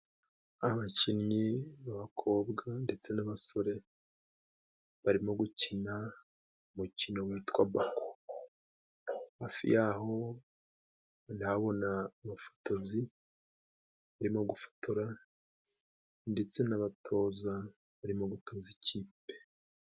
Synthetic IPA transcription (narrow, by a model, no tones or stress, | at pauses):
aβacinɲiβaβakʰo̞ːbɡande̞t͡se̞naβaso̞ɾe̞ | βaɾimo̞ɡucina | mucinowiːtwaβako | haːfḭjaːho̞ | naβo̞naːβafo̥tozi | βaɾimo̞ɡufo̥tʰoɾa | nde̞t͡se̞naβatʰo̞ːza | βaɾimoɡutʰo̞ːziciːpe̞̥